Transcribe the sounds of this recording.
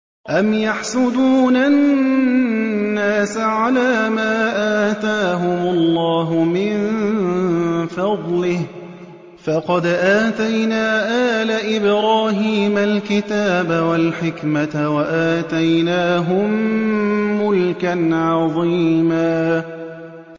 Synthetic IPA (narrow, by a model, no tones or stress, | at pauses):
ʔamjaħsʊd̪uːna | aːsaʕalaːmaːʔaːt̪aːɦʊmʊlːɑːɦʊmɪn | fɑd̪ˤlɪh | fɑqɑd̪ʔaːt̪ajnaːʔaːlaʔɪbɾaːɦiːmalkɪt̪aːbawalħɪkmawaʔaːt̪ajnaːɦʊmː | ʊlkanʕɑðˤiːmaː